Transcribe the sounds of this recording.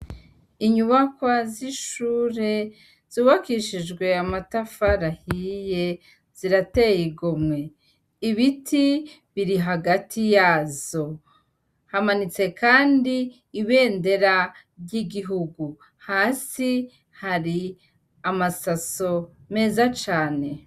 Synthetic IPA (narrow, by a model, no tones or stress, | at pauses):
iɲuβakwaziʃuːɾe̞ | z̥uːβakiʃid͡ʒɡwe̞amatafaɾahije̞ | z̥iɾate̞jiɡomŋe̞ | iβitʰi | βiɾiɦaɡatʰijaːzo̞ | hamanit͡se̞kʰaːndiː | βe̞ːnde̞ɾa | bjiɡiɦuɡu | haːsi | haɾi | amasaso̞ | me̞ːzat͡ʃaːne̞